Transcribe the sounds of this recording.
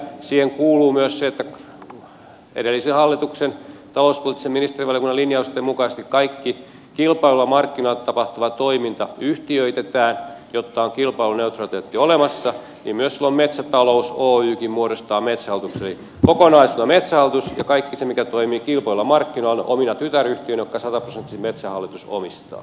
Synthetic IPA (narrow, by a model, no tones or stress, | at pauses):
siːheŋkuːluːmyøsseet̪ːæ | ḛdelːisehɑlːit̪uksent̪ɑlouspolit̪ːˑiseminist̪eriʋɑlijekunːɑlinjɑust̪ːˑemukɑise̥st̪ikkɑikːi | kilpɑilːɑmɑrkːinolt̪ɑpɑht̪uʋɑt̪oimint̪ɑyht̪iøit̪et̪æːnjot̪ːɑoŋkilpɑiluneut̪rɑt̪et̪ːiolemɑsːɑ | niːmmyøssilːommet̪sæt̪ɑlousoːyːkimmuoɾost̪ɑːmet̪sæhɑlt̪ukseeli | kokonɑisilːɑmet̪sæhɑlːˑit̪usjɑkɑikːisemikæt̪oimiːkilpɑilɑmɑrkːinolʔo̰minɑt̪yt̪æryht̪iønjokːɑsɑt̪ɑprosent̪ːisimmet̪sæhɑlːit̪uso̰mist̪ɑ̰ː